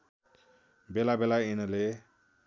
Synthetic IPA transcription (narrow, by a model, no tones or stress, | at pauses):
belabelainʌle